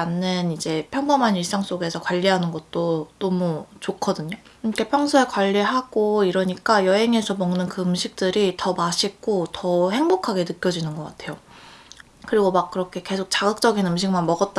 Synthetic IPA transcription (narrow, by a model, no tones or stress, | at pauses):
anːɯnid͡ʑe̞pʰjʌŋbʌmɦaniɭs͈aŋs͈oɡe̞sʰʌkwaʎːiɦanɯnɡʌt̚t͈onʌmut͡ɕokʰʌdɯɲokʰepʰjʌŋsʰʌekwaʎːiɦaɡ̥oiɾʌɲik͈ajʌɦe̞ŋe̞sʰʌmʌŋnɯnkɯɯmɕʰik̚t͈ɯɾitʌmaɕʰik͈otʌhe̞ŋbokʰaɡe̞nɯk͈jʌd͡ʑinɯnɡʌk͈atʰe̞jo | kɯɾiɡomak̚k͈ɯɾʌkʰe̞ke̞sʰok̚t͡ɕaɡɯk̚t͡ɕ͈ʌɡinɯmɕ̬ʰiŋmanmʌɡʌt̚t͈a